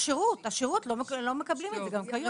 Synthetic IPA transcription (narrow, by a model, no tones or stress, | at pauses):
ʃeʁutaʃeʁutlomlome̞kablimezeɡamkajo